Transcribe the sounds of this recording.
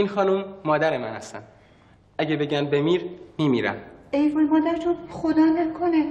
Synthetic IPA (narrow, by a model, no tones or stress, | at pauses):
iːnxɒːnumːɒːd̪æɾemænæst̪ænd̪ | ʔæɟebe̞ɟænbemiːɾmimiːɾæ̰mejvolmɒːd̪æɾt̪ʰonxod̪ɒːnelkʰone